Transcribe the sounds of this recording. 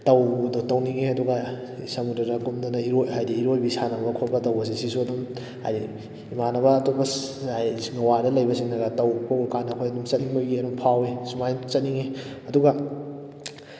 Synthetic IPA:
tɐwdotɐwniŋeɐduɡa | sɐmudɐɾɐkumdanɐiɾojɦajdiːɾojbisanɐbɐkʰobɐtɐwbɐs̬isisuɐdum | ha̰jdi | imanɐbɐːtobɐajŋɐwadɐlɐjbɐsiŋnɐɡatɐwpʰɐwkanɐkʰojɐdumt͡ʃɐtiŋbɐɡiɐdumpʰawesumajt͡ʃɐt̚niŋeɐduɡɐ

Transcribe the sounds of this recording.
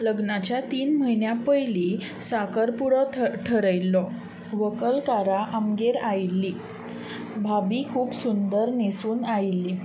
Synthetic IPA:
ləɡnat͡ɕjat̪iːnm̤əɦinjapəjli | sakəɾpuɽɔʈʰəɾəjlːɔ | ʋəkəlkaɾaʔamɡeɾajilːiː | bʱabikʰuːpsund̪əɾnesuːnajlːi

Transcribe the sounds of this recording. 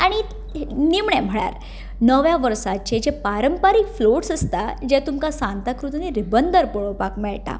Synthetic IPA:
aɽ̃i | nimɳɛm̤əɭa̰ɾ | nəʋjaʋəɾsat͡ɕed͡ʑepaɾəmpaɾiːkfloʈsəst̪ad͡ʑɛt̪umkasãnt̪akɾut̪niɾibənd̪əɾpəɭopakmɛɭt̪a̰

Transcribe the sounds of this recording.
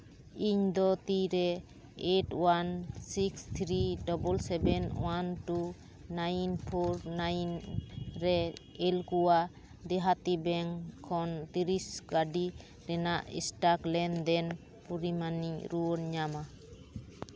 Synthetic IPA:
iɲd̪ɔt̪iɾɛ | eʈwansikst̪ʰɾidɔbɔlsɛbɛnwantu | najnpʰɔɾnajnɾɛ | elkuwa | d̪ɛɦat̪ibɛŋkʰɔnt̪iɾisɡaɖi | ɾɛnaʔḭsʈaklɛnd̪ɛn | puɾimaniɲɾuɔɾɲama

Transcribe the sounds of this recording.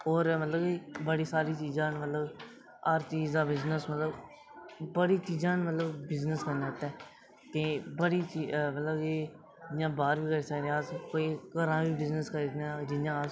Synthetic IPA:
oːɾmət̪ləbiːbəɽiːsaːɾiːt͡ʃiːzãːnmət̪ləb | aːɾt͡ʃiːzãːbɪznəsmət̪ləb | bəɽiːt͡ʃiːzãːnmət̪ləbbɪznəskəɾneːt̪ɛ̃ː | k̪ẽbəɽiːt͡ʃimət̪ləbiː | ɪjãːbaːɾʋiːkəɾiːsəkd̪eãskoːiːkəɾãːbiːbɪznəskəɾid̪ãːd͡ʒɪjãː

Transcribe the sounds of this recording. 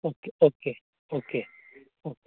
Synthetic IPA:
okeoke | oke | oke

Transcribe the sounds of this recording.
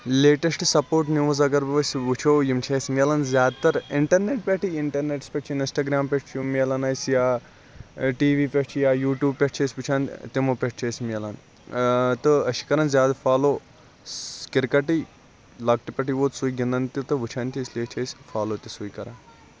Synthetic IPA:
leːʈɐsʈsɐpoːɾʈnʲuʋzɐɡɐɾbʋɐsʲʋɨt͡ʃʰoːjimt͡ʃʰeːsʲmʲelɐnzʲjaːd̪t̪ɐɾiɳʈɐɾneʈ̚pʲeʈʰiɪɳʈɐɾneʈspʲeʈ̚t͡ʃʰininsʈaːɡɾaːmpʲeʈt͡ʃʰjumːelanasjaː | ʈiːʋiːpʲeʈt͡ʃʰijaːjuːʈjuːb̚pʲeʈ̚ʰt͡ʃʰeːsʲʋut͡ʃʰaːnt̪imopʲeʈ̚ʰt͡ʃʰeːsʲmiɐlan | t̪ɨɐʃʰi̥kɐɾɐnzʲjaːd̪faːloː | kɪɾkɐʈi | lɐɡ̚ʈipʲɐʈʰiʋoːt̪sujɡind̪ɐnt̪it̪ɨʋɨt͡ʃʰaːnt̪ʰʲisʲleːt͡ʃʰeːsʲfʰaːloːt̪ʲisujkɐɾaːn

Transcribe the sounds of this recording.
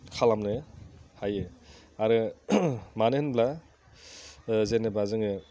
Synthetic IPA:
kʰalamnɯhajɯ | aɾɯ | manɯhɯnbla | zenɯbazɯŋɯ

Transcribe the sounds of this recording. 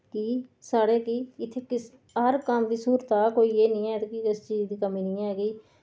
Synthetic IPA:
kisaːɽeːkiːɪt̪ʰːeːkɪs | ɦəɾkəmd̪iːsuːɾt̪aːkoːiːeːnĩːɛːt̪eːkikɪst͡ʃiːzd̪iːkəmiːnĩːɛːkiː

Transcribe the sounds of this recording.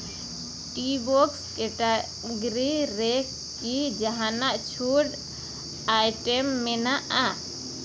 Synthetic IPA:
ʈibɔkskɛʈa | ɡɾiɾɛkː | id͡ʒaɦanaʔt͡ʃʰuɽ | ajʈɛmːɛnaʔa

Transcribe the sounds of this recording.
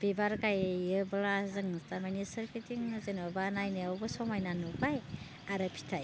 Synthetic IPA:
b̥ibaɾɡajɯbɯlazɯŋstamanisɯɾkʰitiŋzenobanajnɯawbɯsɔmajnanubaj | aɾɯpʰi̥tʰaj

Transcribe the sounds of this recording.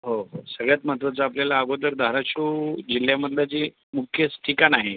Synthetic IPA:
ɦoɦosəɡɭjat̪mət̪ʋət͡saːpljalaːɡot̪̬əɾd̪ʱaɾaʂud͡ʑilːjaməd̪ljat͡ɕiː | mukʰjəsʈʰikanaɦe

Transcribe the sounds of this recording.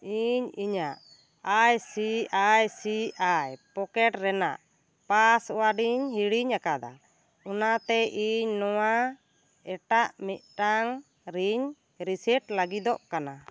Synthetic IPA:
iɲiɲaʔ | ajsiajsiajpɔkɛʈɾɛna̰ʔ | pasɔwaɖiɲɦiɽiɲakad̪a̰ | unat̪ɛʔiɲnɔwa | ɛʈaʔmit̪̚ˀʈaŋ | ɾiɲ | ɾisɛʈləɡid̪ɔʔkana

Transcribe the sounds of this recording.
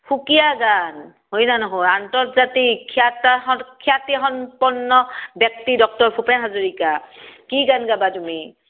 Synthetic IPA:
pʰukijaɡan | ɦojnanɔɦojantɔɹzatiatɔkʰiatixɔnpɔnːɔbjɔk̚tidɔk̚tɔɹpʰupɛnɦazuɹikakiɡanɡabatumi

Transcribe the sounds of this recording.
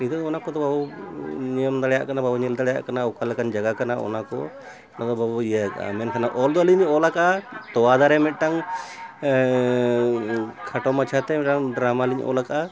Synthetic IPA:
nid̪ɔd̪ɔnakɔd̪ɔbabunijəmd̪aɽɛja̰ʔkanababuɲɛld̪aɭɛja̰ʔkanaɔkalɛkand͡ʒaɡakanaɔ̰nakɔ̰ | nad̪ɔbabuijajakaa̰mɛnkʰanaʔɔld̪ɔliɲɔlakat̪ɔwad̪aɾɛmɛt̪̚ˀʈaŋ | kʰaʈɔmat͡ʃʰat̪ɛmɛʈaŋɖɾamaliɲʔɔ̰laka

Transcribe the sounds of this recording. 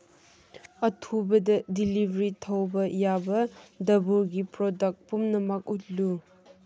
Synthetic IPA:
ɐtʰubɐdɐdilibʱɐɾitʰɐwbɐjabɐdɐbuɾɡipɾodɐk̚pumnɐmɐk̚ut̚lu

